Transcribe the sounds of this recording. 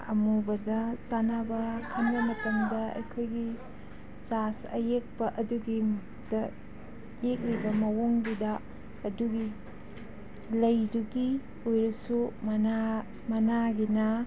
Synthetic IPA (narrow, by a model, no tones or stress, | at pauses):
ɐmubɐdɐsanabɐkʰɐnbɐmɐtɐmdɐɐ̰jkʰojɡi | t͡ʃasɐ̰jek̚pɐʔɐduɡi | d̥ɐ | jek̚libɐmɐwoŋbidɐː | duɡi | lɐjduɡi | ojɾɐsumna | mɐnaɡinɐ